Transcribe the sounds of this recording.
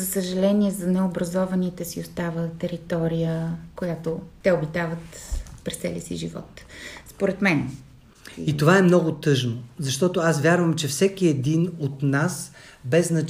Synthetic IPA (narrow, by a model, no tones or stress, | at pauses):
zɐsəʒɐlɛniɛzɐnɛobɾɐzɔvɐnit̪ɛsiost̪avət̪ɛɾit̪ɔɾijəkojat̪ot̪ɛobit̪avət̪pɾɛst̪sɛ̰lʲə̰sḭʒḭvɔ̰t̪spoɾɛt̪mɛn | it̪ovaɛmnɔɡʊt̪ɤʒnozɐʃt̪ɔt̪oasvʲjaɾvəmt͡ʃɛfsɛkiɛd̪inot̪nas | bɛznɐ